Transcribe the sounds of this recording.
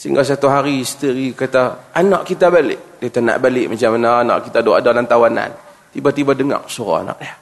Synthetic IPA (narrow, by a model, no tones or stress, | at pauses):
siŋɡas̬at̪uɦaɾiist̪əɾikat̪aanɔʔkit̪abalɪ̰ʔdit̪ana̰ʔbalɪʔmat͡ʃamanaanɔ̰ʔkit̪aduwaʔadalant̪awana̰n | t̪ibat̪ibadəŋa̰k̚suɾɔ̰a̰nɔ̰ʔja